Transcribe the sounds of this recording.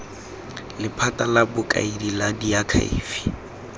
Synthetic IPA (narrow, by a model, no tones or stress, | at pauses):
lɪpʰatʼalabʊkʼa̰idiladiakʰa̰ḭːfi̥